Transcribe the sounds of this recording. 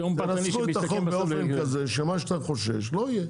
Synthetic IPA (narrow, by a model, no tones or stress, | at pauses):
naskuet̪aombeofenkazeʃemaʃkt̪aχoʃḛʃloije